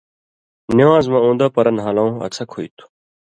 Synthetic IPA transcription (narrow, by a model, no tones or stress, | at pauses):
nɪãːzmãːũːnd̪aːpəɾənɦaːlãũːɐ̰t͡sʰɐkʰoit̪ʰu̥